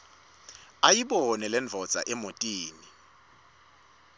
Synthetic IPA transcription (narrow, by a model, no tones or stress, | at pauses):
ajiɓɔnɛlɛnd͡vʱɔd̥z̥ʱa̰ʔɛmotʼiːni